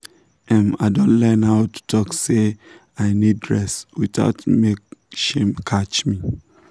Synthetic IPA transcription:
ɛ̃ma̰ɪdɔ̃nlɛnhaʊtu̥tʰɔkse | aɪnid̚dɹɛswita̰ʊtmekʃẽmkʰat͡ʃmi

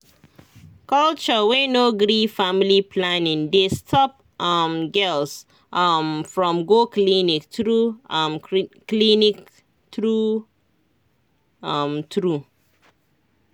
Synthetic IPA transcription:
kɔlt͡ʃəwenoɡɾifamilipʰlanĩŋdestʰɔp̚ | ʔamɡɛls | ʔmfɹɔ̃mɡoklinik̚tɹumklinik | tɹu | mt̪ɹu

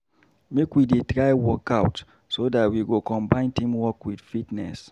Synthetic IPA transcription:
mekwidetɹaɪwɔkaʊt | sodatwiɡokɔ̃mbãɪ̃ntĩmwɔkwid̥fitnɛ̰s

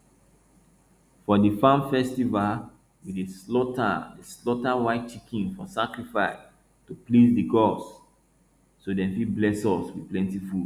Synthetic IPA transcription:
fɔdifãmfɛstival | wideslɔta̰deslɔtawaɪt̚t͡ʃikʰĩnfɔsakɹifaɪs | tuplizdiɡɔs | odɛ̃nfiblɛsɔswi̥plɛ̃ntifud

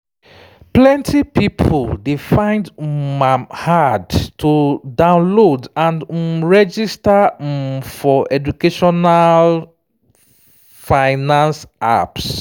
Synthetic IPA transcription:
plɛ̃ntʰipipʰoldefãɪ̃ndmamhadtʰudãʊ̃nlodãnɹɛd͡ʒista | fɔʔɛd͡ʒukeʃɔnal | faɪnãnsa̰ps

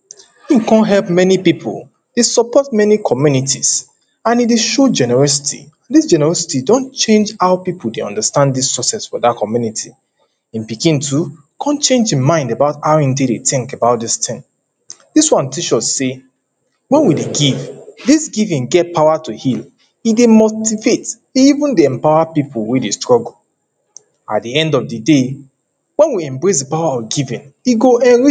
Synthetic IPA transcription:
ikɔ̃nɦɛlp̚mɛnipipʰo̰l | d̥esɔpɔt̚mɛnikʰɔmjunitʰis | ãnideʃod͡ʒɛnɛɹɔsi̥tʰḭãdisd͡ʒɛnɛɹɔsi̥tidõnt͡ʃẽnd͡ʒaʊpiplˠdeɔ̰̃ndəstãnddispɹɔsɛsfɔdatkʰɔmjunitʰi | ĩnpikĩntʰu | kʰɔ̃nt͡ʃẽnd͡ʒĩnmãɪ̃ndəbaʊtaʊĩntidetɪ̃ŋkəbaʊt̚distʰɪ̃ŋ | diswãntiʃɔtse | wɛ̃nwideɡivdisɡivĩnɡɛt̚pʰaʊatuhil | idemotivet | iivũndeɛ̃mpaʊwapipʰʊlˠwedestɹɔɡl̩ | a̰t̚diɛ̃ndɔvdəde | wɛ̃nwiɛ̃mbɹes̬dəpawaɔfɡivĩniɡoɛ̃nɹi

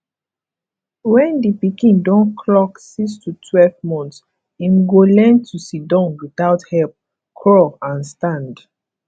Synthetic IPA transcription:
wɛ̃ndipikĩndɔ̃nkʰlɔksikstutʰwɛlvmɔ̃nts | ĩmɡolɛ̃ntʰusidɔ̃nwiθaʊthɛlp̚ | kʰɹɔãnstãnd

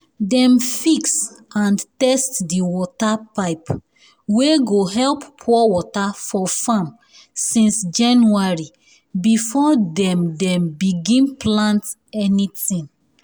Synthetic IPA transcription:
dɛ̃mfiksãntɛstdiwɔtapaɪp | weɡoɦɛlppʰːɔwɔtafɔfãm | sĩnsd͡ʒãnuaɹi | bifɔdɛ̃mdɛ̃mbiɡĩnplãnt | ɛnitĩŋ

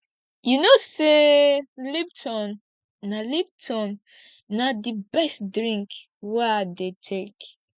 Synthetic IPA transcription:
junoseliptʰɔnː | alib̚tʰɔ̃nː | adibɛstdɹĩŋk | wɛdetʰek

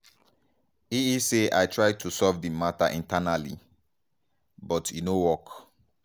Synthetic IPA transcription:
iiseʔajtʰɹaj̚tʰusɔvdimataʔĩntanalḭ | bɔtʰinowɔk

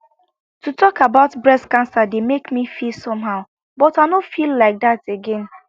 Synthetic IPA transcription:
tutʰɔkabaʊtbɹɛskãnsademekmifisɔ̃mɦaʊ | bɔtaɪnofilːaɪk̚dateɡɛ̃n

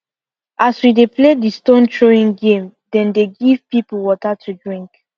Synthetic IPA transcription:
ʔaswidepledistõntʰɹoĩŋɡẽmdɛ̃ndeɡiv̥pipl̩wɔtatʰudɹĩŋk

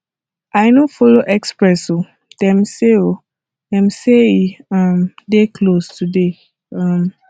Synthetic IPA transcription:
ajnofɔloʔɛkspɹɛso | d̥ɛ̃mseo | dɛ̃mseãmdekʰlostʰude | ãm

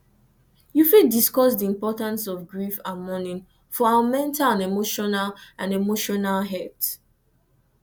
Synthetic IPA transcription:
jufidiskɔsdiĩmpɔtãnsɔvɡɹifãnmɔnĩn | fɔaamɛ̃ntʰalãnemoʃɔnalʔãnemoʃɔnalɦɛt

